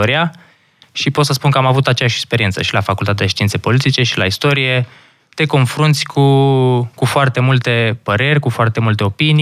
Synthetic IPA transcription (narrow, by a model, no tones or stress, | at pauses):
oɾia | ʃipot̪səspunkəamavut̪at͡ʃejaʃekspe̞ɾiensə̰ʃilafakult̪at̪ed̪eʃt̪iint̪se̞po̞lit̪it͡ʃe̞ʃila̰ist̪o̞ɾije̞ | t̪e̞ko̞nfɾunt̪sʲkʰukufoart̪e̞mult̪e̞pəɾe̞rʲkufoart̪e̞mult̪e̞o̞pini